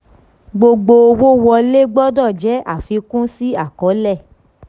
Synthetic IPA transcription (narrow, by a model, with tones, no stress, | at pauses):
ɡ͡bo˧ɡ͡bo˧o˧wo˦wɔ˧le˦ɡ͡bɔ˦dɔ˦˨d͡ʒɛ˨˦ʔa̰˦˨fi˧kũ˦si˦a˦˨kɔ˨˦lɛ˦˨